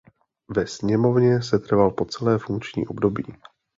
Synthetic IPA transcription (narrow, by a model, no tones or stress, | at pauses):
vɛsɲɛmo̞vɲɛsɛt̪r̩valpo̞t͡sɛlɛːfuŋkt͡ʃɲḭːʔo̞bdo̞biː